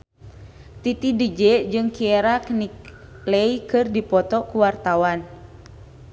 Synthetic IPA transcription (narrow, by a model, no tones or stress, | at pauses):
t̪it̪idəd͡ʒɛd͡ʒɨŋkieɾaknik | leikɨrdipɔt̪ɔkuwart̪awan